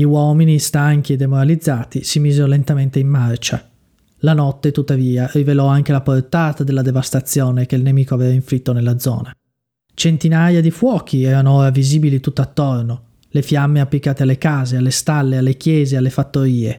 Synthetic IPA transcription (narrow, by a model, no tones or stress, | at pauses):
ʎiwɔːminist̪aŋk̟ied̪ːemoɾalid̪zːaːt̪isimiːzeɾolent̪ament̪eimːart͡ʃa̰ | lanɔt̪ːet̪ut̪ːaviːarivelɔaŋk̟elaport̪aːt̪ad̪elːad̪evast̪at̪sːjɔːnekeilnemiːkoavɛvaiɱfɾit̪ːonelːad̪zɔ̰ːna | t͡ʃent̪inajad̪ifwɔːk̟iɛːɾanooːɾaviziːbilit̪ut̪ːaat̪ːorno | lefjamːeapːlikaːt̪ealːekaːzealːest̪alːealːek̟jɛːzealːefat̪ːoɾiːe